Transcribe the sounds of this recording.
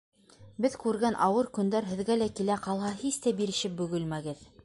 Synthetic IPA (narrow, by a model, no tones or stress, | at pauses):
bɘðkʉɾɡænʔɑwɤɾkɵ̆nd̪æɾɦɘ̆ðɡælækilæqɑlˠɦɑhist̪æbiɾɘ̆ʃɘp̚bɵ̆ɡɵlmæɡɘð